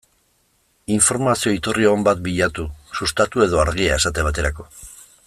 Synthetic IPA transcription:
iɱfo̞ɾmasio̞it̪urieɣombat̪̚biʎat̪usust̪at̪ue̞ð̞o̞aɾɣiae̞sat̪e̞βat̪e̞ɾako̞̥

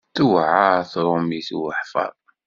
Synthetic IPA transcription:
θuwʕaθɾˤʊmiθwəħfɑ̰ɾˤ

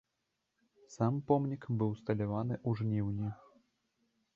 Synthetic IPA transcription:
sampɔmnʲikbɨwst̪ɐlʲavanɨʔuʐnʲiwnʲi

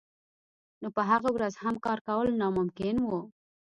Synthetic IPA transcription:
nopəɦaɣawɾazhamkɑɾkawəlnɑmʊmkɪnwo

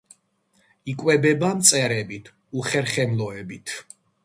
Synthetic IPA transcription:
ikʼwɛbɛbamt̪sʼɛɾɛbit̪ʰ | uχɛɾχɛmlˠɔɛbit̪ʰ

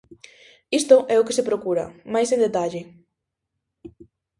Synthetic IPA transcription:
ist̪ʊʔɛʊkɪsepɾokuɾɐ̰majsẽnd̪et̪aʎɪ

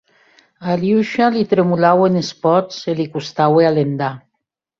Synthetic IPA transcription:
aljuʃalit̪ɾemulawenespɔt͡selikust̪awealend̪a

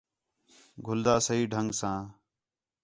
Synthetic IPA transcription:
ɡʱʊld̪aːsəɦiːɖʱəŋɡsãː

